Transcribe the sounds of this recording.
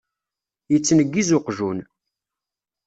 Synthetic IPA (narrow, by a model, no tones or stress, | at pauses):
jət͡sːnəɡːizʊqʒun